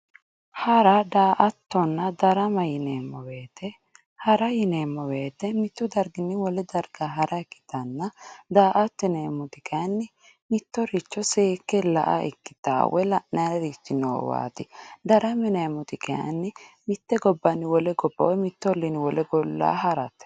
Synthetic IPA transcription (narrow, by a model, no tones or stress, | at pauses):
hɐɾɐd̪aːʔɐt̪ːɔnːɐd̪ɐɾɐmɐjɪneːmːɔwe̞ːt̪ɛ | hɐɾɐjɪneːmːɔwe̞ːt̪ːɛmɪt̪ːʊd̪ɐɾɡɪnːɪwɔlɛd̪ɐɾɡaɦɐɾʔɐɛkːɪ̥t̪ɐnːɐd̪aːʔɐt̪ːɛneːmːʊt̪ɪkɐɐnːɪ | mɪt̪ːɔɾɪt͡ʃːɔseːkːɛlɐ̰ʔɐ̰ɛ̰kːɪ̥t̪a̰ːwɔ̰jlɐʔnɐɾɐɾit͡ʃ̪ːɪno̰ːwa̰ːt̪ɪd̪ɐɾɐmɛneːmʊt̪ɪkɐɐ̰nːɪmɪt̪ːɛɡɔbːɐnːɪwɔlɛɡɔbːɐ̰wɔjmɪt̪ːɔlːɪnɪwɔlɛɡɔlːa̰ːɦɐɾɐ̰t̪ːɛ̥